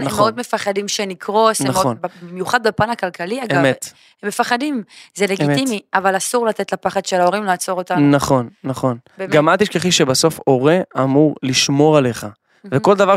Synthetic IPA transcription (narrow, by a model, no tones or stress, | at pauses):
od̪me̞faχad̪imʃenikʁo̞snaonbbimjuχad̪bepanakalkaliaɡeamet̪ | hemːefaχad̪imzeleɡitimiʔavalasuʁlat̪et̪lapaχad̪ʃelaoʁimlaːt͡so̞ʁotanaχo̞nːaχo̞n | ɡamat̪iʃkeχiʃebaso̞fo̞ʁeamuʁliʃmo̞ʁaleχa | veko̞ld̪avaʁ